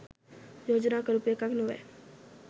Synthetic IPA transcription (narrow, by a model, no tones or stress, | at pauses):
joːd͡ʒnakəɾupekaɡnoʋḛ